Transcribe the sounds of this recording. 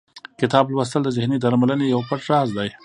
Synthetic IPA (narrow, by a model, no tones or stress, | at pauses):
kɪt̪ɑblwast̪əld̪əzɪhnid̪aɾmalənejawpaʈɾɑzd̪aj